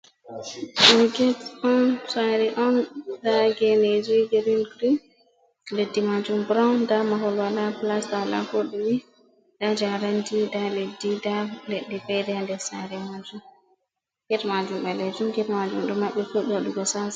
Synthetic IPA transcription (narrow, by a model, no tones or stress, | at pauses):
ɗuɡɛtɔnsajɾɛʔɔndaɡɛned͡ʒiɡeɾinɡɾi | ledːimad͡ʒumbɾandamaɦɔlwalaplasdawala̰foɗiwi | dad͡ʒaɾandidaledːidaleɗːɛfɛjdɛandɛsajɾɛmad͡ʒum | ɡ̥ɛtmad͡ʒumɓɛlɛd͡ʒumɡɛtmad͡ʒumɗɔmaɓːɛfuɗɔɗuɡɔsaza